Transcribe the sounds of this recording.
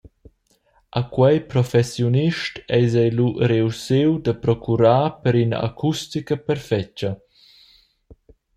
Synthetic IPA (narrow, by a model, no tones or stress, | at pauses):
ʔakwɛjpɾɔfɛsjuniʃtɛjzɛjluɾeusewd̪əpɾɔkʰuɾaːpəɾinɐ̰ʔa̰kʰustikəpɛɾfɛt͡ʃə